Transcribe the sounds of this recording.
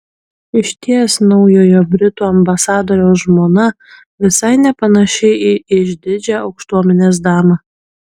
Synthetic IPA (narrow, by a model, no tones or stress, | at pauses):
ɪʃʲt̪ʲiɛsnɐʊjoːjobʲɾʲɪt̪uːɐmbɐsɑːd̪oːɾʲɛʊsʒmoːnɐ | ʋʲɪsɐɪnʲɛpɐnɐʃʲɛɪiɪʒʲd̪ʲɪd͡ʒʲɛɒʊkʃt̪uɔmʲɛnʲeːs̬d̪ɑːmɐ